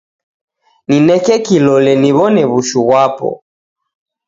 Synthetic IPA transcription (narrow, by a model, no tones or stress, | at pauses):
ninɛkɛkilɔlɛniβɔnɛβuʃuβwapɔ̰